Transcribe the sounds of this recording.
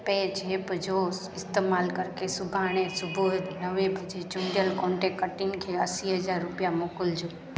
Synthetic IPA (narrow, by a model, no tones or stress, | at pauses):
ped͡ʒʱeːpd͡ʒo | ɪst̪eːmaːlkəɾkesʊbʱaːɽ̃ẽsʊbʱod̪ɦəʋebʱəd͡ʒʱet͡ʃuɳɖjəlkõːɳʈekəʈinkʰeəsiɦəd͡ʒaɾːʊpjamoːkʊld͡ʒo